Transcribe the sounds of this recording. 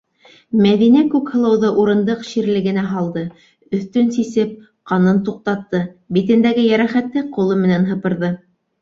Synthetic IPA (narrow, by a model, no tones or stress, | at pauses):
mæðinækʉkhɤ̆lˠɤ̆wðɤʔuɾɤ̆nd̪ɤqʃiɾlɘ̆ɡɘ̆næɦɑlˠd̪ɤ | ɵ̆θt̪ɵnsisɘp̚ | qɑnɤnt̪uq̚t̪ɑt̪ːɤbit̪ɘ̆nd̪æɡɘjæɾæχæt̪lːɘqulˠɤmɘ̆nænɦɤ̆pɤ̆ɾðɤ